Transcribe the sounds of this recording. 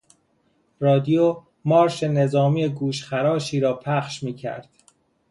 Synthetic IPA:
rɒːd̪ijo | mɒːɾʃe̞ne̞zɒːmiːjeɡuːʃxæɾɒːʃiːɾɒːpʰæχʃmiːcʰæ̰ɾd̪̥

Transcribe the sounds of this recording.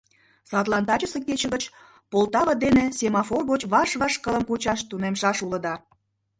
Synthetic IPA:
sɑt̪lˠɑnt̪ɑt͡ɕəse̽ket͡ɕə̆ɣət͡ɕ | polt̪ɑβəd̪enesʲemɑforɣot͡ɕβɑʃβɑʃkələmkut͡ɕɑʃt̪unemʃɑʃuləd̪ɑ

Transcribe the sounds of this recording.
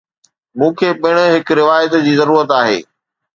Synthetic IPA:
mũːkʰeːɓɪɽ̃ʊ̆ɦɪkɾɪʋaːjət̪d͡ʑiːzɐɾuːɾət̪aːɦḛː

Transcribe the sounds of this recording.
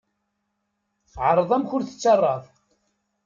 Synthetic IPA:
θʕəɾˤəðˤæmçʊɾθə̥t͡sːɑrˤːɑðˤ

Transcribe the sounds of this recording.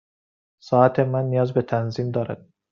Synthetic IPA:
sɒːæt̪ʰemænːijɒːzbet̪ʰænziːmd̪ɒːɾæ̰d̪̥̚

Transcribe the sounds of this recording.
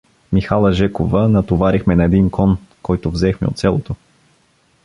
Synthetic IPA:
mixalˠɐʒɛkovənɐt̪ovaɾixmɛnɐɛd̪inkɔnkɔjt̪ovzɛxmɛ̰o̰t̪sʲalˠot̪o

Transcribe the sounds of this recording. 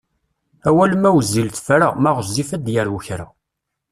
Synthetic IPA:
æwælmæwzːilt̪fɾamæʁəzːifæd̪jəɾwəçɾa̰

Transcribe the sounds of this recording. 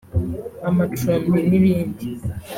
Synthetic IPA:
amatomniniβiːndi

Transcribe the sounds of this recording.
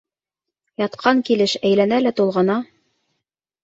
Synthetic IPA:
jɑt̪qʰɑŋkilɘʃæjlænælæt̪ulˠʁɤ̆nɑ

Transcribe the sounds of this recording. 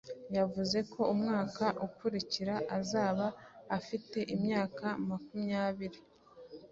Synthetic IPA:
javuze̞kʰo̞umŋaːkaʔukuɾiciɾaʔazaːβaːfite̞ʔimɲaːkamakumɲaːβiɾi

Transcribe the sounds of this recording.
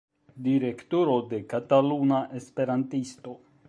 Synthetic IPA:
diɾe̞ktoɾo̞de̞katalunaʔe̞spe̞ɾantisto̞

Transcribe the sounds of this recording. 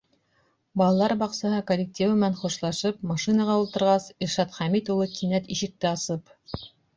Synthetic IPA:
bɑlˠɑlˠɑɾbɑqsɑɦɤkolʲːɪk̚tʲivɘ̆mɘ̆nænχuʃlˠɑʃɤpmɑʃinɑʁɑulˠt̪ɤ̆ɾʁɑsiɾʃɑt̪χæmit̪ulˠɤkʰinæt̪iʃɘ̆k̚t̪ɘɑsɤp

